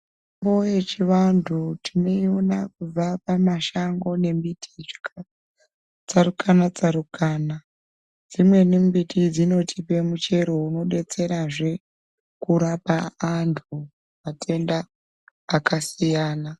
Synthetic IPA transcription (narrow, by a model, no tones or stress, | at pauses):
mbo̞jet͡ʃiʋandʱutʰino̞ionakub͡vapamaʃaŋɡo̞ne̞mbitʰia | t͡saɾukʰanat͡saɾukaːna | d͡zimwe̞nimbitʰid͡zino̞tʰipe̞mut͡ʃe̞ɾo̞uno̞ɗe̞t͡se̞ɾaʐe̞ | kuɾapaːntʰu | matʰe̞ndaː | kasijaːna